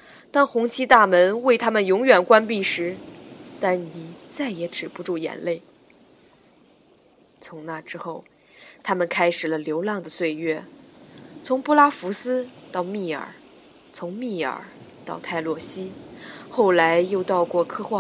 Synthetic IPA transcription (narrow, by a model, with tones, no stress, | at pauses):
t̪a˥˩nxʊ˧˥ŋt͡ɕʰi˥t̪a˥˩mə˧˥nwe˥˩ɪt̪ʰa˥mə˨njʊ˧˥ŋɥɛ˨˩nkwa˥npi˥˩ʂɻ̩˧˥t̪a˥˩nni˨˩t͡sa˥˩ɪjɛ˧˥ʈ͡ʂɻ̩˨˩pu˧˥ʈ͡ʂu˥˩jɛ̰˨˩nle˥˩ɪ | t͡sʰʊ˧˥ŋna˥˩ʈ͡ʂɻ̩˥xo˥˩ʊ | t̪ʰa˥mə˨nkʰa˥ɪʂɻ̩˨˩lə˦ljo˧˥ʊlɑ˥˩ŋd̪ə˩swe˥˧ɪɥɛ˥˩ | t͡sʰʊ˧˥ŋpɔ˥˧la˥fu˧˥sɹ̩˥t̪ɑ˥˧ʊmi˥˩ə̰˞˨˩˦ | t͡sʰʊ˧˥ŋmi˥˩ə̰˞˨˩˦t̪ɑ˥˧ʊt̪ʰa˥˩ɪlwɔ˥˩ɕi˥xo˥˩ʊla˧˥ɪjo˥˧ʊt̪ɑ˥˧ʊkwɔ˥˩kʰɤ˥xwa˥˩